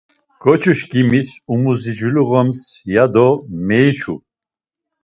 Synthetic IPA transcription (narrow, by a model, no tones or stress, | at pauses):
ɡ̥ɔt͡ʃʰuʃɡimisumuzid͡ʒuluʁɔmsjad̪ɔmɛjt͡ʃʰṵ